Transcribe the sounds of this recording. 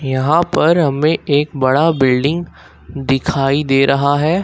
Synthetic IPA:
jɐɦãpɐɾɦɐmẽʔeːkbɐɽabɪlɖɪ̃ŋɡ | d̪ɪkʰaːid̪eːɾʔɐɦaɦɛː

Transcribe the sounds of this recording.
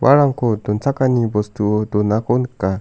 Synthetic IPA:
wʔa̰ɾaŋkodont͡sakanibost̪uodonakonka

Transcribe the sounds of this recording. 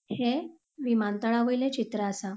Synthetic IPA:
he | ʋimant̪əɭaʋəjlet͡ɕit̪ɾaːsa

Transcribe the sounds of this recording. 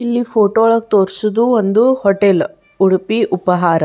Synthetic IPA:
ilːifʰoːʈoːɭɐk̚t̪oːɾsud̪uond̪uhɔʈel | uɽupiʔupɐɦaːɾɐ

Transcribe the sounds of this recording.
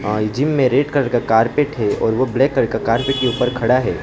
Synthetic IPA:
d͡ʒɪmːẽɾeːʈkɐɾkakaːɾpeʈɦɛɔ̰ːɾʋoblɛːkːɐɾkakaːɾpeːʈ̚keuːpəɾkʰɐɽaɦɛː

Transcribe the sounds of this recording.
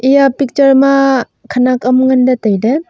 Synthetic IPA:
ijapik̚t͡ʃɐɾma | kʰanakʼɐmŋandatajde

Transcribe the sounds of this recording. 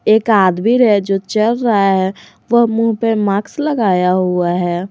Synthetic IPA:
eːkaːd̪bʱiɾɦɛd͡ʒot͡ʃəlɾəɦaɦɛ | ʋəɦmuɦpemaːksləɡaːjaɦuaɦɛ

